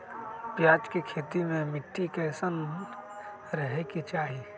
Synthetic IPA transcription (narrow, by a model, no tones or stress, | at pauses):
pjaːd͡ʒkikʰeːt̪imẽmɪʈʰːikɛːsən | ɾəɦekit͡ʃaːɦiː